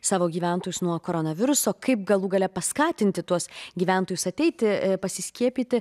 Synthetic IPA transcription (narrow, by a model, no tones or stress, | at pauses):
sɑːʋoːɡʲiːʋʲænt̪oːjʊsnuɔkoːɾonɐʋʲɪɾʊsoːkɐɪp̚ɡɐlˠuːɡɐlʲɛpɐskɑːt̪ʲɪnʲt̪ʲɪt̪uɔsɡʲiːʋʲæˑnt̪oːjʊsɐt̪ʲɛɪt̪ʲɪpɐsʲɪsʲkʲiɛpʲiːt̪ʲɪ